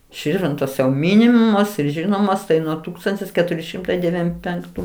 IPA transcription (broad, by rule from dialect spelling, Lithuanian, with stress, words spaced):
ˈʃʲɪrʲʋʲɪntoːs jɛʊ ˈmʲɪnʲɪmoːs ɪr ˈʒʲɪnoːmoːs tɐɪ ˈnuɔ ˈtuːkstɐnʲtʲɪs kʲɛˈtʊrʲɪ ˈʃʲɪmtɐɪ dʲɛˈʋʲiːm pʲɛŋkˈtuː